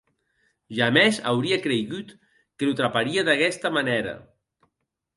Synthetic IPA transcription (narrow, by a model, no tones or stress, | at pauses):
ʒameza̰wɾiakɾeɣut̪ | kəlut̪ɾapaɾiəðakɛst̪əmaneɾə̰